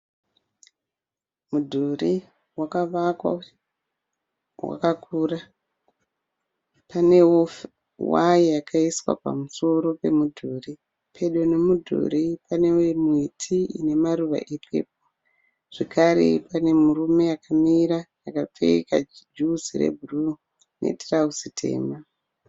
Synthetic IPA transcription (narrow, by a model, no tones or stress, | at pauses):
mudʱuri | wakaʋakwa̰ | wa̰kakuːra | pane̞wo | waijakʰaiswa̰pa̰muso̞ɾo̞pe̞mudʱuri | pʰe̞ɗo̞ne̞mudʱṵɾipane̞wemuitʰiine̞maɾuʋa̰ʔepʰe̞̰ːp̚o | ʐ̥ekaɾḛpane̞murume̞jakamiɾajakap͡fḛika̰d͡ʒuzire̞̰bʱuru | nʔḛtrausitʰe̞̰ːma